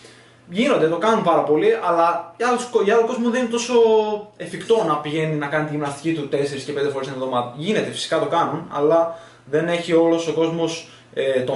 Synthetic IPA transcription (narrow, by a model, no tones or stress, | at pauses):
ʝino̞nd̪et̪o̞kɐnumpɐɾɐpo̞liʔɐlɐɐloskoiɐlokozmuðeninet̪o̞so̞efikt̪o̞nɐpiʝe̞ninɐkɐnit̪iʝimnɐst̪i̥cit̪ut̪e̞se̞ɾiscepend̪e̞fo̞ɾest̪nevðo̞mɐðɐʝine̞t̪e̞fi̥si̥kɐt̪o̞kɐnunɐ̰lɐ | ðe̞ne̞çio̞lo̞so̞ko̞zmo̞s | et̪o